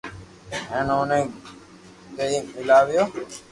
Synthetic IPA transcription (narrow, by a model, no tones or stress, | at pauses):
ɦẽːnoːnẽː | kəiːmɪlaːʋɪjoː